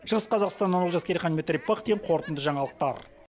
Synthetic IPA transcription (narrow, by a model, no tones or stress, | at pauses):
ʃəʁəsqʰɑzɑqst̪ɑnːɑnolˠʒɑskʲeɾʲiχɑnmʲet̪rʲijpɑχd̪eɡʲɴqʰo̞ɾt̪ənd̪əʒɑɴɑlˠəq̚t̪ɑ̰ɾ